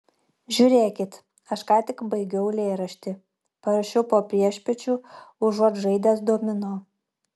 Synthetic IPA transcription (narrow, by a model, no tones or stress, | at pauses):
ʒʲʊɾʲeːkʲɪt̪ | ɐʃkɑːt̪ʲɪkbɐɪɡʲɛʊlʲeːɾɐʃʲt̪ʲɪ | pɐɾɐʃʲɛʊpoːpʲɾʲiɛʃʲpʲɛt͡ʃʲuːʊʒuɔt̪ʒɐɪd̪ʲæːsd̪uɔmʲɪnoː